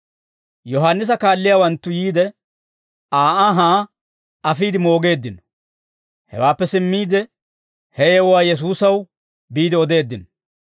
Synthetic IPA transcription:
jɔɦanːɪs̬ɐkaːlːɪjaːwɐnt̪ːʊjiːd̪ɛ | aːʔaɦaː | ɐfiːd̪ɪmo̞ːɡe̞ːd̪ːɪnɔ | hɛ̰waːpːɛsɪmːiːd̪ɛ | hɛjɛwwaːjɛs̬uːsɐw | biːd̪ɪɔd̪e̞ːd̪ːɪnɔ

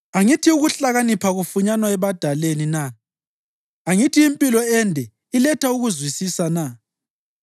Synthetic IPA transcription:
aŋitʰiuɣuɬaɣanipʰaɣufuɲanwaɛβad̥ʱalenina | aŋitʰiːmpʼilɔɛndʱɛ | ilɛtʰauɣuzwisisana

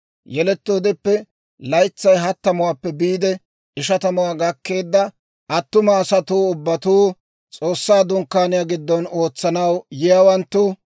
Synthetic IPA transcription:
jɛlɛt̪ːoːd̪ɪpːɛ | lɐjt͡sːɐjɦɐt̪ːɐmʊwaːpːɛbiːd̪ɛ | ɪʃɐt̪ɐmʊwaːɡɐkːe̞ːd̪ːɐ | ʔɐt̪ːʊmɐːsɐt̪uːʊbːɐt̪uː | t͡sʼo̞ːsːaːd̪ʊŋkːaːnɪjaɡɪd̪ːɔno̞ːt͡sːɐnɐwjɪjawɐnt̪ːʊ

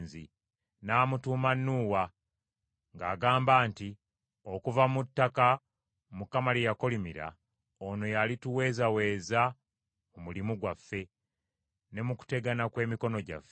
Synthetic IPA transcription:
nzi | naːmutuːmanːuːwa | ŋɡaːɡaːmbaːnti | o̞kuvamutːaka | mukːamalijako̞limiɾa̰ | ono̞jalituwe̞ːzawe̞ːza | omulimuɡwafːe̞ | ne̞muku̥te̞ɡanakwe̞ːmiko̞no̞ɟa̰fːe

